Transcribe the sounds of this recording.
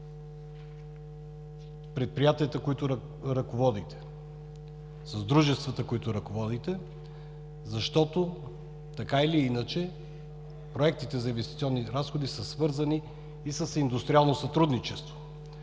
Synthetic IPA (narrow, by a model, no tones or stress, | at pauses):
pɾɛt̪̚pɾijat̪iət̪əkoit̪ʊɾ | ɾɐkovɔd̪it̪ɛ̥ | sɐzd̪ɾuʒɛst̪vət̪əkoit̪ʊɾɐkovɔd̪it̪ɛ | zɐʃt̪ɔt̪o | t̪ɐkailiinət͡ʃɛ | pɾoɛk̚t̪it̪ɛzɐinvɛst̪it̪siɔnːiɾasxod̪isəsvɤɾzəniː | səsind̪ust̪ɾialˠnosɐt̪ɾud̪nit͡ʃɛst̪vo